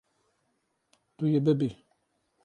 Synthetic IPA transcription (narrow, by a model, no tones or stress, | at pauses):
tujebebe